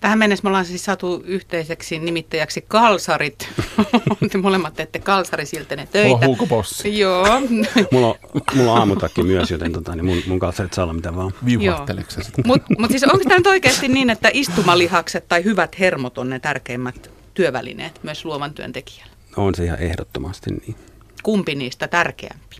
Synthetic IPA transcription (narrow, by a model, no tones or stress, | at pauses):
t̪æhæmmenːesmolɑnsesissɑt̪uyht̪eiseksinimit̪ːæjæksikkɑlsɑrit̪ | tmolemːɑt̪ːeet̪ːekkɑlsɑrisilt̪ːenet̪øih̪æuːkoposi̥joːmulːomullːoɑːmuɑkːimyøsjot̪ent̪ot̪ɑnimunmuŋkɑlsɑrit̪sɑlːɑmit̪æʋɑːʋijoːelḛkssmut̪mut̪siːsoŋksi̥t̪ænyt̪oikeːst̪inniːnet̪ːæʔist̪umɑlihɑkset̪t̪ɑihyʋæt̪hermot̪onnet̪ærkeːmːæt̪ | t̪yøʋæ̰lḭnḛːt̪myøsluoʋɑnt̪yø̰nt̪eki̥æ̥lːæ̥ | onseihɑ̰ehdo̰t̪ːomɑst̪ḭnniː | kumpiniːst̪æt̪ærkḛæ̰mpi̥